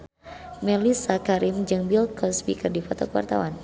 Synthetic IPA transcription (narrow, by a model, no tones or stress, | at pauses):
mɛlisakaɾimd͡ʒɨŋbilkʰɔspikərdifɔt̪ɔkəwa̰rt̪a̰wan